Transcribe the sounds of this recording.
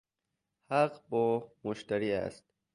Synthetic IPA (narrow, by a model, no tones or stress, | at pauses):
haqbɔːmoʃt̪æɾiːæ̰st̪̚